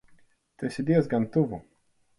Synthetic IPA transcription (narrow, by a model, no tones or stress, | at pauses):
t̪ɛsʲid̪ʲiɛzɡant̪uvu